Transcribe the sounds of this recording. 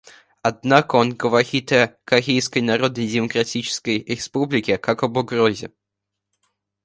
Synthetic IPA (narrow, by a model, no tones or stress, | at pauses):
ɐd̪̚nakəonɡəvɐxʲit̪əjəkɐɣʲejskəjnɐɾo̞d̪nəjdʲɪməkɾɐtʲit͡ɕɪ̥skəjɾʲɪspublʲɪkʲɪkakəbʊɡɾozʲɪ̰